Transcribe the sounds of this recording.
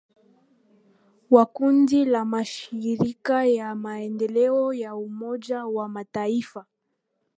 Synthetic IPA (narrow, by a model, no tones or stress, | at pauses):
wakundilamaʃiɾikajamaɛndɛlɛɔjaumɔʄawamataifa